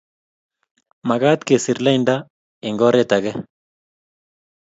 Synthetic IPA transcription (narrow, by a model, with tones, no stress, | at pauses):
ma˨ɣa˦t̪ke˨si˨ɾla˦inda | ɪ˨ŋɡɔ˦ɾet̪a˨ɣɛ˦